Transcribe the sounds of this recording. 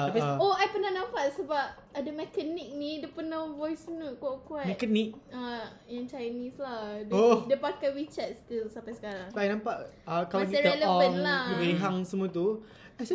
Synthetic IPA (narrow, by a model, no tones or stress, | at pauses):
ioajpənahnãmpaʔsəbap̚ | adamɛkənik̚nidəpənavɔjsnuʔkaʔkuamɛkanik̚a | jaŋt͡ʃajnislahdodəpakawit͡ʃat̪̚st̪ilsampajsə̥kaɾaŋbaʔajnãmpaʔəkalaskiaɾɛləɔəŋnladibeɦaŋsəmũat̪u | a